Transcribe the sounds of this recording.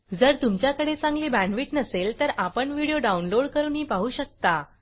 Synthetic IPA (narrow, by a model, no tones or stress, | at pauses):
d͡zəɾt̪umt͡ɕjakəɽet͡sãŋɡliːbæ̃nʋiːʈnəselt̪əɾapəɳʋiɽijoɖaunloɽkəɾuːnɦiːpaɦuːɕək̚t̪a